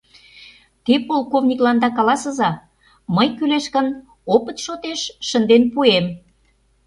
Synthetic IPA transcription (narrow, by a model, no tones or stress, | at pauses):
t̪epolkovnʲiklɑnd̪ɑkɑlɑsə̆zɑ | məjkyleʃkən | opət̪ʃot̪eʃʃə̆nd̪enpuem